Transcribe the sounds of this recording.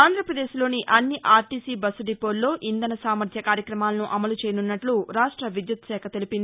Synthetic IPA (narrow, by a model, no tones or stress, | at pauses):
aːnd̪ʱɾɐpɾɐd̪e̞ːʃlo̞ːniʔɐnːiʔaːɾʈiːsiːbɐsuɖipoːlːo̞ːʔind̪ɐnɐsaːmɐɾd̪ʰʱjɐkaːɾjɐkɾɐmaːlɐnuʔɐmɐlut͡ʃeːjɐnunːɐʈluɾaːʂʈɾɐʋid̪jut̪ʃɛːkʰɐt̪elipind̪ii